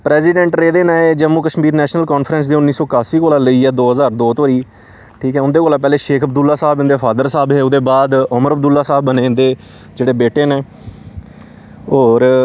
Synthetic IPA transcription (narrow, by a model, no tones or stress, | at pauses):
pɾɛːsiːɖɛ̃ɳʈɾeːd̪eːnaːeːd͡ʒəmːuːkəʃmiːɾnɛːʃnəlkɔːnfʰɾɛ̃ns̬d̪iːʊnːiːsɔːkaːsiːkoːlaːləiːɛːd̪oːɦəzaːɾd̪oːt̪oɾiː | ʈʰiːkɦɛːʊnd̪eːkoːlaːp̬ɛːleːʃeːkʰəb̚d̪ʊlːaːsaːbɪ̃nd̪eːpʰaːd̪əɾsaːbɦeːʊd̪eːbaːd̪ʊməɾəbd̪ʊlːaːsaːbːənẽːnd̪eː | d͡ʒeːɽeːbeːʈeːneː | oːɾ